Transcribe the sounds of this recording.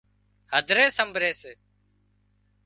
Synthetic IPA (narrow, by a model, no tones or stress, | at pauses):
həd̪ʱɾeːsəmbʱɾeːseː